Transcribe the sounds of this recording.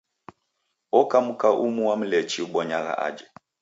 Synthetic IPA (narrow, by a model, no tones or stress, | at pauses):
ɔkamukaʔumuwam̩lɛt͡ʃiuɓɔɲaɣa̰ʔa̰d͡ʒɛ